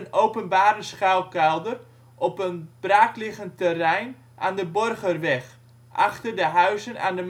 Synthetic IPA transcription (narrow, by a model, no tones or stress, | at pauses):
ənowpənbaːɾəsχalˠkɛlˠdər | ʔɔpənb̥raːklɪɣəntərɛjn | ʔa̰ːndəbɔrɣərʋɛχ | ʔa̰χtərdəɦœɥzənʔa̰ːndəm